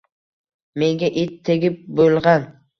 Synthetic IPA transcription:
me̞ŋɡʲaʔet̪ʰːeɡʲɪp̚bolˠʁɑn

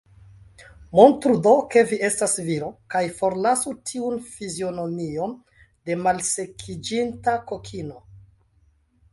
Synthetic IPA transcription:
mo̞ntɾudo̞ke̞vie̞stasviɾokajfo̞ɾlasutʰiunfizio̞no̞mio̞n | de̞malse̞kʰid͡ʒintako̞kʰino̞

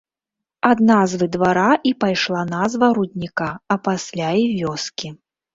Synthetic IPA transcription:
ad̪nazvɨd̪vaɾaʔipajʂlˠanazvɐɾud̪ʲnʲikaɐpasʲlʲaivʲɔskʲi

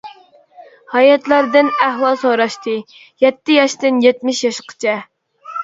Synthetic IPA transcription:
hɑjɑt̪lˠɑɾd̪ɨnæhwɑlˠsoɾɑʃt̪ʰɨ | jɛt̪ːɪjɑʃt̪ɨnjɛt̪mɪʃjɑʃqʰə̥t͡ʃʰɛ

